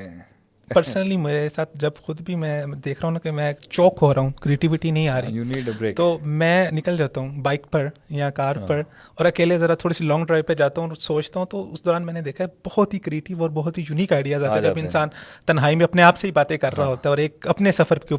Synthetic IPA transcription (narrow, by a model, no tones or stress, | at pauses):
pəɾsnəlimeːɾesaːt̪̚ʰd͡ʒɐbxʊd̪bʱimɛ̃d̪eːkʰɾaɦũnakemɛ̃ːt͡ʃɔːkɦoːɾaɦũkɾieːʈɪʋɪʈinɐɦĩaːɾɐĩːt̪oːmɛ̃ːnɪkəld͡ʒaːt̪aɦũbaːɪk̚pɐɾjãkaːɾpɐɾ | ɔːɾɐkeːlezɐɾat̪ʰoːɽisilɔ̃ːŋɡɖɾaːɪʋped͡ʒaːt̪aɦũɾsoːt͡ʃt̪aɦũt̪oʊsd̪ɔːɾaːnmɛ̃ːned̪eːkʰaɛbɔhɔt̪ɦikɾieːʈɪʋɔːɾbɔɦʊt̪ɦijuniːkaːɪɖijazaːt̪aɦɛd͡ʒɐbɪnsaːnt̪ɐnɦaːimẽɐpneaːpseɦibaːt̪ẽkɐɾːaɦaɦoːt̪aɦɛɔːɾeːk̚ɐpnesɐfəɾke